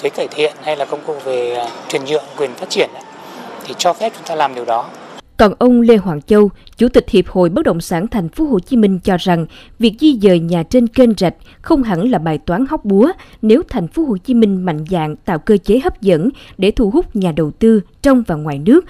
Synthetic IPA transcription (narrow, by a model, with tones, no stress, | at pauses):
kɨː˨˦jkaː˧˩jt̪ʰḭ˧˨ənha˧jlaː˨˩kə˧wŋ͡mkṵ˧˨ve˨˩t͡ɕwi˨˩ənzɨ̰˧˨əŋkwi˨˩ənfaː˦˥t̚t͡ɕi˧˩ənʔa̰˧˦t̪ʰi˨˩t͡ɕɔ˧fɛ˦˥p̚t͡ɕʊ˨˦ŋ͡mt̪aː˧laː˨˩mɗi˨˩əwɗɔ˨˦kɔ˨˩nʔə˧wŋ͡mle˧ɦwaː˧˩ŋt͡ɕə˧wt͡ɕu˧˩t̪ï˨˩k̟̚hi˨˩əp̚ho̰˧˨jɓə˦˥k̚ɗə̰˧˨wŋ͡msaː˧˩nt̪ʰɛ˨˩jŋ̟fo˨˦ɦo̰˧˨t͡ɕi˨˦mï˧ŋ̟t͡ɕɔ˧za˨˩ŋvi˨˩ək̚zi˧zəː˨˩jɲaː˨˩t͡ɕe˧nke˧nza˨˩jk̚ | xə˧wŋ͡mɦə˧˩nlaː˨˩ɓaː˨˩jt̪waː˨˦nha˦˥wk͡p̚ɓu˨˦ə | ne˨˦wt̪ʰɛ˨˩jŋ̟fo˨˦ɦho̰˧˨t͡ɕi˨˦mï˧ŋ̟ma̰˧˨jŋ̟za̰ː˧˨ŋt̪a̰ː˧˨wkəː˧t͡ɕe˨˦ɦə˦˥p̚zə̰˧˥nɗe˧˩t̪ʰu˧˩hʊ˦˥k͡p̚ɲaː˨˩ɗə˨˩wt̪ɨ˧t͡ɕɔ˧wŋ͡mvaː˨˩ŋwaː˨˩jnɨ˦˥ək̚